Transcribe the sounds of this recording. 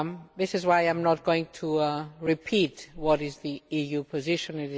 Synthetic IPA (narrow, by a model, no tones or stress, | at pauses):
mðɪsɨzwaɪãɪ̃mnət̚ɡ̥oʊɪ̃ŋtʰəɹɪpʰitwʌɾɪzðiijʉpʰɨzɪʃɨ̃nɪɾ